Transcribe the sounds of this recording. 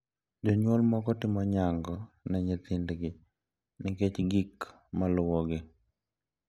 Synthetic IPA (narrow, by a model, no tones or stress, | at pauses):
d͡ʒɔɲwɔlmɔkɔtɪmɔɲaŋɡɔnɛɲet̪ɪndɡɪ | nɪket͡ʃɡik | malʊwɔɡɪ